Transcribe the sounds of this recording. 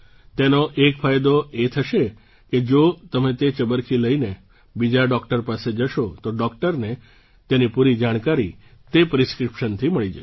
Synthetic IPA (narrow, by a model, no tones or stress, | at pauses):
t̪enoʔekfʰajd̪oet̪ʰəʃe | ked͡ʒot̪əmet̪et͡ʃəbəɾkʰiləine | bid͡ʒaɖɔkʈəɾpased͡ʒəʃot̪oɖɔk̚ʈəɾne | t̪enipuɾid͡ʒaɽ̃kaɾi | t̪epɾiskɾipʃənt̪ʰiməɭid͡ʒə̰